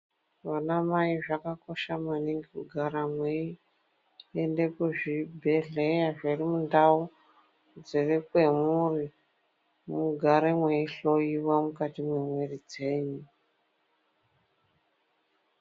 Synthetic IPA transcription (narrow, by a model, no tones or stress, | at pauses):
ʋanamaiʐakako̞ʃamaniŋɡekuɡʱaɾamwei | ende̞kuʐibʱe̞ɮejaʐirimundau | d͡zirikwe̞muri | muɡʱaɾemweiɬo̞jiwamukatimwemwerid͡zeːɲi